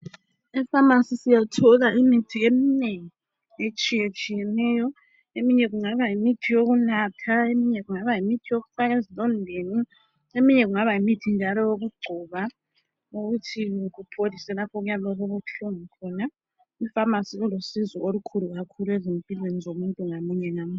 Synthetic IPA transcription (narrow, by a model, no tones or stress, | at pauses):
ifamasisijatʰɔɣaʔimitʰiemineŋii | et͡ʃʼijet͡ʃʼijɛnɛjɔ | emiɲɛɣuŋaβajimitʰijoɣunatʰaemiɲɛɣuŋaβajimitʰijoɣufaɣezilʼɔndʱeni | emiɲɛɣuŋaβajimitʰind͡ʒʱalɔjoɣuɡ͡ǀʱuːβa | oɣutʰiɣupʰolisɛlapʰɔɣujalɔɣoβuɬuŋikʰɔna | ifamasiɣulosizɔolukʰuluɣakʰuluezimpʼilwenizomuntʼuŋamuɲɛŋamu